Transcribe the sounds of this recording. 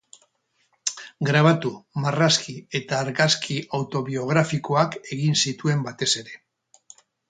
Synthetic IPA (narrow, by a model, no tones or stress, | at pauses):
ɡɾaβ̞at̪umaraskie̞t̪aːɾɣaskʰiawt̪o̞βio̞ɣ̞ɾafiko̞ake̞ɣinsit̪ue̞mbat̪e̞se̞ɾe̞